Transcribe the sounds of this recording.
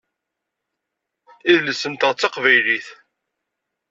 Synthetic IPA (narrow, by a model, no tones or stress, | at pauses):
iðləsːənt̪əʁt͡sːɑqvæjliθ